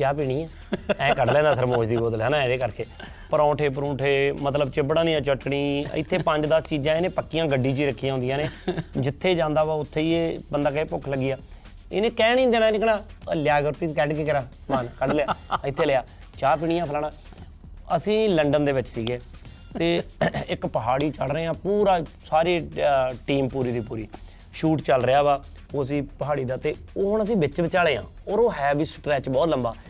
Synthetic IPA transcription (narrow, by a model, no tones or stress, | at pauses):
t͡ʃjaːpiːɽ̃iːãː | ɛ̃ːkəɖlɛ̃ːnd̪aːsʰəɾmoːʃd̪iːboːd̪lɛːnãːɛ̃ːɾeːkəɾkeː | pəɾɔ̃ːʈʰeːp̬ɾũːʈʰeːmət̪̬ləbt͡ʃɪbɽãːnĩːãːt͡ʃəʈːɳiːɪ̰t̪ʰːeːpəɲd͡ʒd̪əst͡ʃiːd͡ʒãːenẽːpəkːijãːɡəɖːĩːt͡ʃiːɾəkʰːijãːʊ̃nd̪ijãːneːd͡ʒɪt̪ʰːeːd͡ʒãːnd̪aːʋaːʊt̪ʰːeːiːeːbənd̪aːkːeːpʊkʰləɡːɪjaː | ɪ̰nẽːkɛːnĩːd̪eːnaːnɪkʰnãːljaːɡɾʊpiːt̪kɛːɖkekɪɾaːsəmaːnkəɖlejaːɪt̪ʰːeːlejaː | t͡ʃaːp̬iːɽɪjãːpʰəlaːɳãː | əsĩːləɳɖənd̪eːʋɪt͡ʃsiːɡeː | t̪eːɪkpəɦaːɽiːt͡ʃəlɾəeːãːpuːɾaːsaːɾiːʈiːmpuːɾiːd̪iːpuːɾiː | ʃuːʈt͡ʃəlɾejaːʋaː | oːəs̬ĩːpəɦaːɽiːd̪aːt̪eːoːɦʊɳ̃əs̬ĩːbɪt͡ʃbɪt͡ʃaːleːã̰ːoːɾoːɦɛːbiːsʈɾɛːt͡ʃbɔːt̪ləmbaː